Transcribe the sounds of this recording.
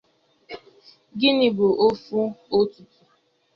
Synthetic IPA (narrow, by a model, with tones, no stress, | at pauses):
ɡɪ˦nɪ˨bo˨ʔo˦fu˦o˦tu˨tu˨